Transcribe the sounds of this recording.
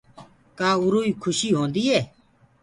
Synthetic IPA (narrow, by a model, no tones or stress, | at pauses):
kaːʊɾoːiːkʰʊʃiːɦõːnd̪iːɦeː